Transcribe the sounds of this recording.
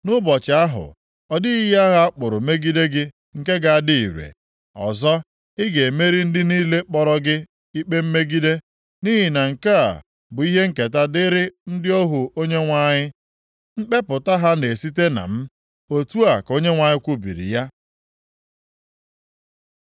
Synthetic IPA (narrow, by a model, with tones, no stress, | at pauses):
nʊ˦bɔ˨t͡ʃɪ˨a˦ɦʊ̰˨ | ɔ˨dɪ˦i˦ja˦ɣa˦a˦k͡pʊ˨ɾʊ˨me˦ɡi˦de˦ɡɪ˦ | ŋ̩˨ke˦ɡa˨a˨dɪ˦i˨ɾḛ˨ | ɔ̰˨zɔ˦ | ɪ˦ɡe˨me˦ɾi˦n̩˦dɪ˦niː˦le˦k͡pɔ˦ɾɔ˦ɡɪ˦ | i˦k͡pe˦m̩˦me˦ɡi˦de˦ | ni˦ɦi˨na˨ŋ̩˨ka˦a̰˨ | bʊ˨i˦ɦe˦ŋ̩˦˨ke˨ta˦dɪ˦ɾɪ˦n̩˦dɪ˦o˦ɦʊ˨o˦ɲe˦ŋʷa˦ɲɪ˦ | ŋ͡m̩˦k͡pe˦pʊ˨ta˦ɦa˦ne˨si˦te˦na̰˨m̩˦ | o˨tu˦a˨ko˦ɲe˦ŋʷa˨ɲɪ˦kʷʊ˦bḭ˨ɾḭ˨ja˦